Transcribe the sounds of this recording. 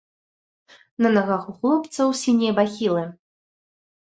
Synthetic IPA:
nɐnaɣaxuxlˠɔpt̪sɐwsʲinʲejbaxʲilˠɨ

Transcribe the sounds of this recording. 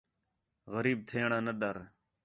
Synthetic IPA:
ɣəɾiːb̚t̪ʰeːɳãːnəɗəɾ

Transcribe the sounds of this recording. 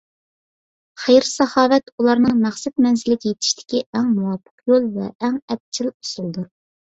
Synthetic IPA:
χejɾsɑhɑːvɛt̪ulˠɑɾnɨŋmæχsɛt̪̚mɛnzɪlɪkʲʰijet̪ʰɪ̥ʃt̪ʰɪ̥kʲiæŋmuwɑpʰːə̥qjolˠvɛ̰ːŋɛp̚t͡ʃʰilu̥sulˠd̪uɾ

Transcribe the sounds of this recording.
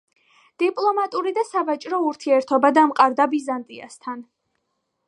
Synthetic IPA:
d̪̥ipʼlˠɔmat̪ʼuɾid̪asavat͡ʃʼɾɔuɾt̪ʰiɛɾt̪ʰɔbad̪amqʼaɾd̪abizant̪ʼia̰st̪ʰan

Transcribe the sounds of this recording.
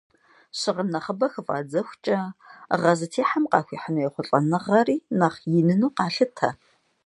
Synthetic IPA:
ɕɪʁənɐχəbɐxɨfʼa̰ːd͡zɐxʷt͡ʃʼɐʁɐzɨtʰeːħamqɑ̰ːxʷiːħənɐjɛχʷʊɬʼɐnɨʁɐriːnɐχjɪnɨnuːqɑːɬɨtʰɐ

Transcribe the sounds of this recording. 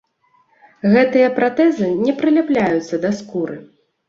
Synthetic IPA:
ɣɛt̪ɨjɐpɾat̪ɛzɨnʲɛpɾɨlʲaplʲajut̪sːɐd̪ɐskuɾɨ

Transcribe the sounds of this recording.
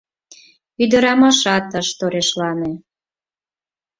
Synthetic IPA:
yd̪ə̆ɾɑmɑʃɑt̪əʃt̪oɾeʃlɑne

